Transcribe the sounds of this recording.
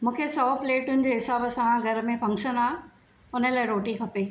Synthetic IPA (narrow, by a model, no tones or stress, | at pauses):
mũːkʰesɔpleːʈʊnɪ̆d͡ʑeːɦɪsaːbɐsãɡʱɐɾmẽfɐ̃ŋkʃənaː | ʊnə̆laːɪɾoːʈikʰɐpe